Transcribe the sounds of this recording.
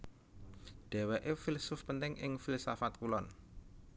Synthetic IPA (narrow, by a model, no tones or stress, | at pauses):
d̪̥ɛ̤wɛʔefilsʊfpənt̪ɪŋɪŋfilsafat̪̚kulɔn